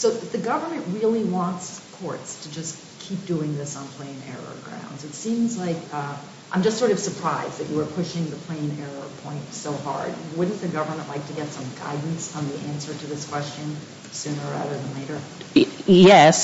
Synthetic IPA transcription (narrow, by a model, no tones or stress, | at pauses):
soʊðɨɡʌvə˞mɨ̃nʔɹɪlˠiwɑ̃ntskʰɔɹtstʰɨd͡ʒʌs | kʰip̚d̥uɪ̃ŋðɪsn̩pʰl̥ẽɪ̃nɛ̰ɹə̰ɡɹã̰ʊ̃ndzɨtsĩmzlaɪkʌ | ʔãɪ̃md͡ʒʌstsɔɹɾʌv̥sə˞pʰɹ̥aɪzðɨt͡ʃɨwə˞pʰʊʃɪ̃ŋðɨpʰl̥ẽɪ̃nɛɹə̰pʰɔ̃ɪ̃ntsoʊhɑ̰ɹd̚wʊdⁿn̩ðɨɡʌvə˞mə̃nʔlʔaɪk̚tʰɨɡɛtsʌ̃mɡa̰ɪdⁿn̩sn̩ðiʔæ̃nsə˞ɾɨðɪskʰw̥ɛst͡ʃɨ̃n | sʉ̃nə˞æ̰ɾə˞ðə̃nleɪɾə˞ | jɛs